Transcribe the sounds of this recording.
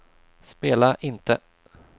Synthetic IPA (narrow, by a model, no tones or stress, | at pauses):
speːlaʔɪnt̪ə